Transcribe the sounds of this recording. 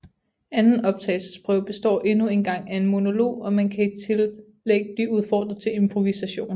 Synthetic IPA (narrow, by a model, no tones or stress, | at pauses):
ænn̩ɒ̽b̥̚t͡sʰɛ̰ːɪlsə̥sb̥ʰʁœʊ̰b̥e̝sd̥ɒ̰ːʔe̝nue̝nɡ̥ɑ̈ŋ̰æe̝nmo̝no̝lo̝̰ːɒ̽mænkʰæi̥t͡sʰe̝lː | eɡ̥̚əb̥liuðˠfɒ̰ːd̥ʁɐt͡sʰe̝le̝mpʰʁo̝ʋisæɕo̝̰ːn̩